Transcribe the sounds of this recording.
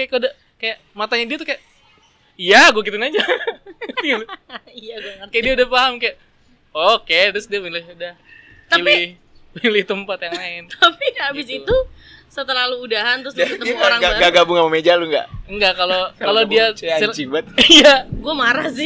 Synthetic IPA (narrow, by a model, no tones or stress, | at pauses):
kajaʔkuda | kajaʔmat̪aɲadiat̪ukajaʔ | ijaɡuak̬it̪ɪnad͡ʒa | jaɡkajaʔdiaudahfaɦamkajaʔ | oket̪ɾʊsdiapilɪhudah | t̪ailɪ | pilɪht̪əmpat̪jaŋlaɪnt̪apiabɪsit̪u | sət̪əlaluːdaɦant̪ɾʊst̪əɾaŋɡaɡaɡabʊŋamamed͡ʒaluŋɡa̰ʔŋɡaʔkalokalodiat͡ʃibat̪ijaɡuamaɾahsɪ